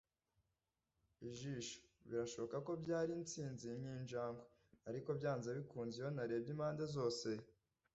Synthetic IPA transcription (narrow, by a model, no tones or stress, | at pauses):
iʒiːʃo̥βiɾaʃo̞βo̞kako̞bɟaːɾint͡siːnziɲiːnʒaːŋɡwe | aɾiko̞bjaːnzeβikuːnziho̞naɾe̞ːbɟimaːndezo̞ːse